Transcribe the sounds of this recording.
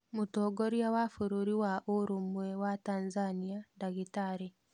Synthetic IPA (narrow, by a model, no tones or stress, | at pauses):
mutoːɡoɾjawafuɾuɾiwaʔoɾumwewataːnzaniandaɣitaɾe